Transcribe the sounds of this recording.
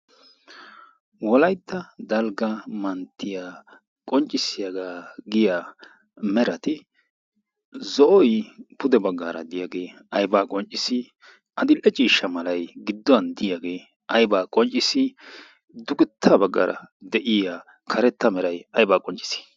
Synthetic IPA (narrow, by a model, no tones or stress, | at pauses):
wɔlɐjt̪ʰːɐd̪ɐlɡɐmɐnt̪ʰːɪjaː | kʼɔnt͡ʃʼːɪsɪjaɡaːɡɪjaː | mɛɾɐt̪ɪ | zɔʔɔjpʰʊd̪ɛbɐɡːaːɾɐ̰d̪ɪjaːɡe̞ː | ɐjbaːkʼɔnt͡ʃʼːɪsɪ | ɐd̪ɪlɛt͡ʃʼiːʃːɐmɐlɐjɡɪd̪ːɔɐnd̪ɪjaɡeː | ʔɐjbaːkʼɔnt͡ʃʼːɪsɪ | d̪ʊɡɪt̪ʰːɐbɐɡːa̰ːɾʔɐ̰d̪ɛʔɪjaː | kʰɐɾɛt̪ːɐmɛɾɐjɐjbaːkʼɔnt͡ʃʼɪ̥sɪ̥